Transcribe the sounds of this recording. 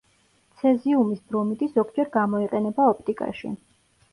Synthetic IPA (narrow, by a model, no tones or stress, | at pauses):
t̪sʰɛziumisb̪ɾɔmit̪ʼiszɔkʰd͡ʒɛɾɡamɔiqʼɛnɛbaɔp̚ʰt̪ʼikʼa̰ʃḭ